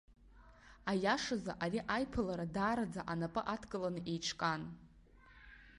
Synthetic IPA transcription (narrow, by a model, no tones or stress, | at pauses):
ajaʂaza̰ʔariʔajpʰɨlaɾadaːɾad͡zaʔanapʼɨʔatʰkʼɨlanɨʔe̞jʈ͡ʂʰkʼan